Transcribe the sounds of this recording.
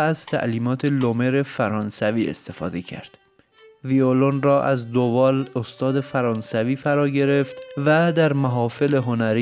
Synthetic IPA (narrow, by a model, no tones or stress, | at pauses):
æzt̪ʰæ̰ʔliːmɒːt̪ʰe̞lome̞ɾefæɾɒːnsæviːḛst̪e̞fɒ̰ːd̪ecʰæ̰ɾd̪̥ | violonrɒːʔæzd̪ovɒːlost̪ɒːd̪e̞fæɾɒːnsæviːfæɾɒːɟe̞ɾe̞ft̪væd̪æɾmæɦɒːfe̞leɦo̞næɾi